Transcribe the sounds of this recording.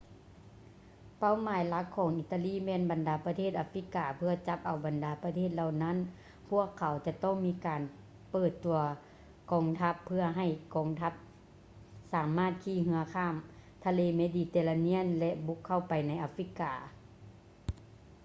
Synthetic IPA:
pa˧˥˨wmaː˨˦jla˧˦˥kʰːɔː˨˦ŋʔi˧˩t̪ːa˧liː˥˩˨mɛː˧˨nba˨ndaː˨˩pa˧t̪ʰeː˥˩t̪̚ʔaː˧fi˧˥kaː˨˩pʰɯ˧ɐt͡ɕa˧˦p̚ʔa˨˩wba˨˩ndaː˨˩˦pa˧t̪ʰeː˥˩t̪̚la˧˨wna˥˨n | pʰu˥˩əkʰːa˨˦wt͡ɕa˧t̪ɔ˥˩˨ŋmiː˧˥kaː˨n | pɤː˧˩t̪ːu˨˩ɐ | kɔː˨˩ŋt̪ʰa˧˦˥pʰːɯ˧ɐɦa˧˩jkɔː˨˩ŋt̪ʰa˧˥p̚ | saː˨˦mːaː˧˥˩t̪̚kʰiː˧˩ɦɯ˧ɐkʰaː˧˩mt̪ʰa˧leː˧˨meː˧˥diː˧˩t̪eː˧la˧ni˧˥˨ənlɛ˧ʔbu˧˦˥kʰːa˧˩wpa˨jna˧˥jʔaː˧fi˧˥kaː˨˩

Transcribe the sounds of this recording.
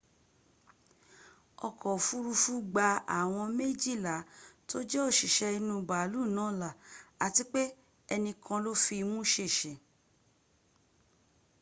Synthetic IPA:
ɔ˧˨kʰɔ˨fu˦ɾu˧fu˦ɡ͡ba˧a̰˨w̃ɔ̃˧me˦˨d͡ʒi˦˨la˨˦to˦d͡ʒɛ˦o˦˨ʃi˨ʃɛ˧i˧nũ˧˦˨ba˨˦lu˦˨nãː˨˦la˨a˨ti˧˦k͡pe˦ | ɛ˧nĩ˧kʰã˧lo˦fi˧mũ˦ʃe˦˨ʃɛ˨

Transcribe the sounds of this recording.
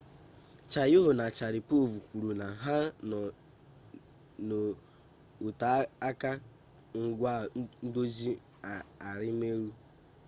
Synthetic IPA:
t͡ʃa˨jʊ˦ɦʊ˨na˨t͡ʃa˨ɾɪ˨po˦vu˨ku˨ɾu˨na˨ɦa˦ | no˨ | ʊ˨ta˨a˦ka˦ | ŋ̩˦ɡʷa˦do˦d͡ʒi˦˨ | a˨ɾɪ˦me˦ɾu˦

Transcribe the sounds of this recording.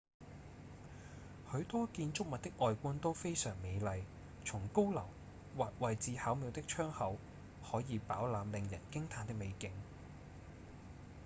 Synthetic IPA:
hɵ˨˧˥ɥt̪ɔː˥kiː˧nt͡ʃʊ˥k̚mɐ˨t̚t̪ɪ˥k̚ʔɔː˨˧jkuː˥nt̪o˥wfe˥jsœː˨˩ŋme˨˧jlɐ˨˧j | t͡sʰʊ˨˩ŋko˥wlɐ˨˩w | waː˨k̚wɐ˨jt͡siː˨˧haː˨˥wmiː˧wt̪ɪ˥k̚t͡ʃʰœː˥ŋhɐ˨˥w | hɔː˨˥jiː˨˧paː˨˥wlaː˨˧mlɪ˨˧ŋjɐ̰˨˩nkɪ˥ŋt̪ʰaː˨˧nt̪ɪ˥k̚me˨˧jkɪ˨˥ŋ

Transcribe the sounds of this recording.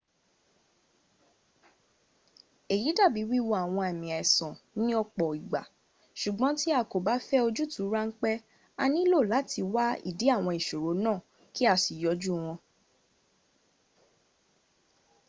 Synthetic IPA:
e˨ji˨˦da˦˨bi˨˦wi˦wo˧˦a˨w̃ɔ̃˧e˨mĩ˨ɛ˨sɔ̃˨nĩ˦ɔ˧k͡pɔ˨i˨ɡ͡ba̰˨ | ʃu˨ɡ͡bɔ̃˨˦ti˦a˦˧˨ko˨ba˨˦fɛ˦o˧d͡ʒu˦tu˨˦ɾa˦ŋ̩˦k͡pɛ˦ | a˧nĩ˦lo˦˨la˨˦tʰi˧wa˦ḭ˨di˨˦a˦˨w̃ɔ̃˧i˨ʃo˨ɾo˨˦nãː˦˨ | ki˦a˧˨si˨jɔ˨˦d͡ʒu˦˨w̃ɔ̃˧

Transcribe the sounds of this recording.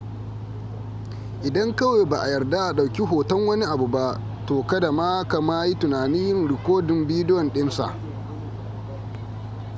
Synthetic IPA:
ʔɪ˨dɐ˦ŋkɐ˦weː˨ba˨ʔa˨jɐ˨rda˦ʔa˨ɗa˨wkʲi˦ɦoː˨tɐ˦ŋwɐ˦ni˦ʔa˨bu˨ba˦ʔ | toː˨kɐ˦da˨maː˦ka˨maː˦ji˦tʊ˨naː˨ni˦jɪ˦nɾɪ˨kʷoː˦dɪ˨mbiː˦dɪ˦jɔ˨nɗɪ˦nsa̰˦˨ʔ

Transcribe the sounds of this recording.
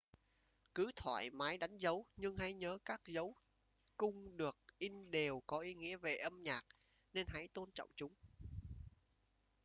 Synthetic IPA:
kɨ˨˦t̪ʰwa̰ː˧˨jmaː˨˦jɗa˨˦jŋ̟zə˨˦wɲɨ˧ŋha˧˩jɲəː˨˦kaː˦˥k̚zə˨˦w | kʊ˧ŋ͡mɗɨ˨˩ək̚ʔi˧ŋɗe˨˩wkɔ˨˦ʔi˨˦ŋḭ˧˥əve˨˩ʔə˧mɲaː˨˩k̚ | ne˧nɦa˨˧˥jt̪o˧nt͡ɕɔ̰˧˨wŋ͡mt͡ɕʊ˨˦ŋ͡m

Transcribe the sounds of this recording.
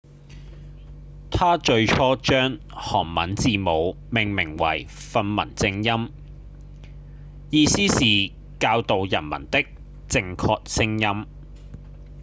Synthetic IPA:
t̪ʰaː˥t͡ʃɵ˧ɥt͡ʃʰɔː˥t͡ʃœː˥ŋ | hɔ̰ː˨˩ŋmɐ̰˨˥nt͡siː˨mo˨˧w | mɪ˨˩ŋmɪ˨˩ŋwɐ̰˨˩jfɐ˧nmɐ̰˨˩nt͡sɪ˧ŋjɐ˥m | jiː˧siː˥siː˨ | kaː˧wt̪o˨wjɐ̰˨˩nmɐ̰˨˩nt̪ɪ˥k̚ | t͡sɪ˧ŋkʰɔː˧k̚sɪ˥ŋjɐ˥m

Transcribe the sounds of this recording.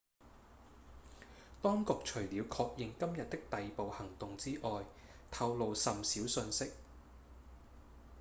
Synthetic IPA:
t̪ɔː˥ŋkʊ˧k̚t͡ʃʰɵ˨˩ɥliː˨˧wkʰɔː˧k̚jɪ˨˧ŋkɐ˥mjɐ˨t̪̚t̪ɪ˥k̚t̪ɐ˨jpo˨˧whɐ˨˩ŋt̪ʊ˨ŋt͡siː˥ʔɔː˨j | t̪ʰɐ˧wlo˨wsɐ˨msiː˨˥wsɵ˧nsɪ˥k̚

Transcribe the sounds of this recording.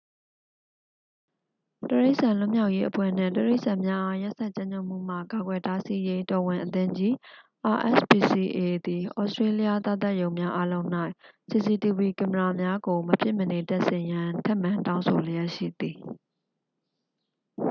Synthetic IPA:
təɹe˦ɪʔsã˨lʊ˦˨mja˦ʊʔje˦ʔəpʰwɛ̰˦˨n̥ɪ̰̃˦˨təɹe˦ɪʔsã˨mja˦ʔa˦ja˦ʔsa˦˨t͡ɕã˦ɲo˦˨ʔm̥ṵ˦˨m̥a̰˦˨ka˨ɡwɛ˨ta˦si˦je˦tɔ˨wɪ̃˨ʔət̪ɪ̃˦ɲd͡ʑi˦ʔa˨ʔɛ̰˦˨spi˨si˨ʔe˨d̪i˨ʔɔ̰˦˨stɹe˦li˦ja˦t̪a̰˦˨t̪a˦˨jõ˨ʊ̃mja˦ʔa˦lõ˦ʊ̃n̥a˦ɪʔsi˨si˨ti˨bi˨kɪ̃˨məɹa˨mja˦ɡo˨məpʰjɪ˦˨ʔmːəne˨ta˦ʔsɪ̃˨jã˦tʰɛ˦˨mã˨ntã˦ʊ̃sʰo˨le˨ja˦ʔʃḭ˦˨d̪i˨

